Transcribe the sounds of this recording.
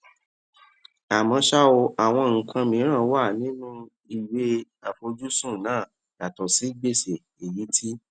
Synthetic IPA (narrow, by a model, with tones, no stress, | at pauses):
a˨mɔ̃˧ʃa˦o˧a˨w̃ɔ̃˧ŋ̩˧kʰã˧mĩ˨˦ɾ̃ã˦˨˦wa˦˨nĩ˨˦nũ˦ | i˨we˨˦ | a˨fo˧d͡ʒu˦sũ˦˨nãː˦˨ | d̥a˨tɔ˨si˨˦ɡ͡be˦˨se˨ | e˨ji˨˦tʰi˦